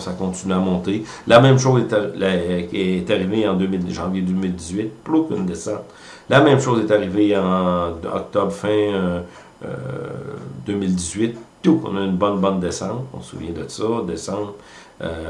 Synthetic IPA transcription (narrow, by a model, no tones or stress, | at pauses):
sakɔ̃t̪inyamɔ̃t̪e | lamɛ̃mʃoːzɛt̪a | ɛːt̪aʁiveɑ̃d̪øːmɪlʒɑ̃vjed̪øːmɪld̪izɥɪt̪̚ploky̰nd̪esɑ̃t̪ | lamɛ̃mʃoːzɛt̪aʁiveɑ̃ɔ̰k̚t̪ɔbʁfɛ̃ø | ø̰ | d̪øːmɪld̪izɥɪt̪ːuɔ̰̃naynbɔnbɑ̃nd̪esɑ̃t̪ɔ̰̃səsṵvjɛ̃d̪əsɔd̪esɑ̃bt̪ø̰